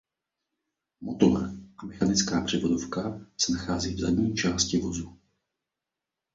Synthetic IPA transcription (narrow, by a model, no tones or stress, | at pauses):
mot̪olɛ̰ʔamɛxanɪt͡skaːpr̝̥ɪvodofkasɛnaxaːziːvzadɲiːt͡ʃaːscɪvo̞zu